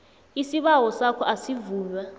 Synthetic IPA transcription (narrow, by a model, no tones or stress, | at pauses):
isiɓawɔsakʰɔʔasivuːlwa